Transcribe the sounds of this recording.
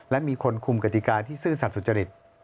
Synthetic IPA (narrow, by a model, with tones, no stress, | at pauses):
lɛ˦˥miː˧kʰo˧nkʰu˧mka˧˩t̪i˨˩kaː˧t̪ʰiː˥˩sɯː˥˩sa˨˩t̪̚su˨˩t̪t͡ɕa˧ɾi˨˩t̪̚